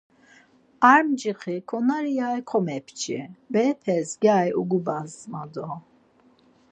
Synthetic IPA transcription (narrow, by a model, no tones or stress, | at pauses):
aɾmd͡ʒiχikʰɔnaɾijajkʰɔmɛpʰt͡ʃʰḭbɛpʰɛzɡʲaːjṵɡubazmad̪ɔ